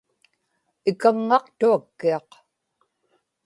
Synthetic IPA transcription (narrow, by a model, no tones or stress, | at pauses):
ɪkaŋːɑqt̪uakːiɑq